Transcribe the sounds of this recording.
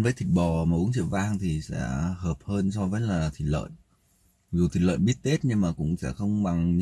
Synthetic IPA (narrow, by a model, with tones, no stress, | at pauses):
nvəː˨˦jt̪ʰi˨˩ɓɔ˨˩maː˨˩ʔu˨˦əŋt͡ɕḭ˧˨wvaː˧ŋt̪ʰi˨˩sɛ̰˧˥həː˨˩p̚həː˧nsɔ˧vəː˨˦jlaː˨˩t̪ʰi˨˩lə̰ː˧˨j | zu˨˩t̪ʰi˨˩lə̰ː˧˨jɓi˦˥ət̚t̪e˦˥t̚ɲɨ˧ŋmaː˨˩kʊ̰˧˥ŋ͡msɛ̰˧˥xə˧wŋ͡mɓa˨˩ŋɲ